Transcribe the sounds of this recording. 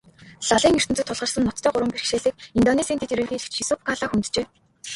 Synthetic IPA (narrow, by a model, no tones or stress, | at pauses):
ɮaɮiːŋer̥t̪ɘ̆nt͡sɘ̆t̪ʰːʊɮʁə̆rsə̆nːɔt̪ːʰœːɢʊɾwə̆mper̆kʃeːɮɘ̆ːk̚int̪ɔnesiːnt̪ʰet̪iɾɘ̆ːɮɣʲiːɮɘ̥̆kt͡ɕxisopkʰaɮaːxunt̪t͡ɕeː